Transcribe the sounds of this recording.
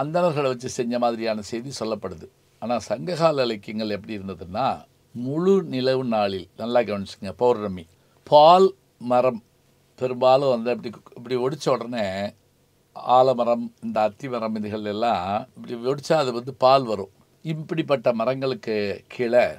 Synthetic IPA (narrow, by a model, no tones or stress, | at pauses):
ɐnd̪ɐnɐɾɣɐɭʋɐt͡ʃːɯsɛɲd͡ʒɐmaːðɪɾɪjaːnɐsɛjðisɔlːɐpːɐɽɯðɯ | aːnaːsɐŋɡɐɣaːlɐlɐkːɐŋɡɐɭɛpːɐɽiɪɾɯnd̪ɐðɯnːaː | mʊɻunɪlɐʋɯnaːɭɪlnɐlːaːk̬ːɐɐɳt͡ʃːɯ̥kːɯŋɡɐpɐʋɾnɐmːi | paːl | mɐrɐm | pɛɾɯmbaːlɐ̃ʋɐnd̪ɐpːɐɽiɪpːɐɽiʋɔɽɪt͡ʃːɐɔɽɐneː | aːlɐmɐɾɐmɪnd̪ɐːt̪ːimɐɾɐmɪðɯɣɐɭɪlɛlːãːɪpːɐɽiɔɽɪt͡ʃːaːðɯʋɐnd̪ɯpaːlʋɐɾũ | ɪpːɐɽip̬ːɐʈːɐmɐɾɐŋɡɐɭɯkːɯkʰiɭɐ